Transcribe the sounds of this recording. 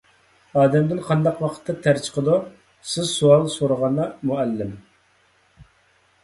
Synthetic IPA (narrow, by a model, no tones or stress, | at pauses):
ɑːd̪ɛmd̪ɪnqʰɑnd̪ɑqwɑqʰə̥t̪ʰːɑt̪ʰæɾt͡ʃʰqʰəd̪u | sɪzsuɑlˠsoɾʊʁɑnːɑmuɛlːɪm